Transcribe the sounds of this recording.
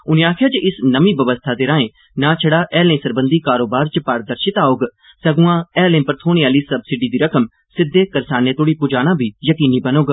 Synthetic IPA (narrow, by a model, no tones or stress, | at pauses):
ʊnẽːaːkʰjaːt͡ʃeʔɪsnəmibəʋəst̪ʰaːd̪eːɾãːẽː | nãːt͡ʃʰəɽaːʔɛːlẽːsəɾbə̃nd̪iːkaːɾoːbaːɾt͡ʃpaːɾd̪əɾʃɪt̪aːoːɡ | səɡʊ̃ãːɛːlẽːpəɾt̪ʰoːɽ̃iaːliːsɐbsɪɖiːd̪iːɾəkʰəm | sɪd̪ːeːkɐɾsaːnet̪oːɽiːpʊd͡ʒaːɽ̃ãːbʱiːjəkiːniːbɐnoːɡ